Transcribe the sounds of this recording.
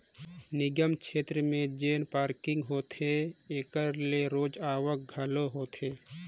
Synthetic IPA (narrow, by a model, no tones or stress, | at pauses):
nɪɡəmkʃʰeːt̪ɾəmẽd͡ʒeːnpaːɾkɪ̃ŋɡɦoːt̪ɦeeːkəɾleɾoːd͡ʒaːʋək̚ɡʱəloɦoːt̪ɦeː